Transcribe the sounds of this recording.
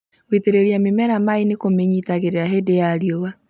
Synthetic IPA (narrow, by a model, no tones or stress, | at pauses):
ɣwiteɾeɾiamemɛɾamainekomeɲitaɣeɾeaɦedejaɾiowa